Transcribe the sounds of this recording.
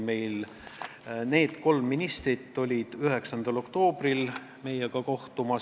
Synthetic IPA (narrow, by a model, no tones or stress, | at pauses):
me̞jl | ne̞ːd̪̥ko̞lmːinist̪rit̪ːo̞lʲid̪̥yɦe̞ksɑnd̪̥ɑlo̞kt̪o̞ːbril | me̞jeɡɑko̞ht̪umɑ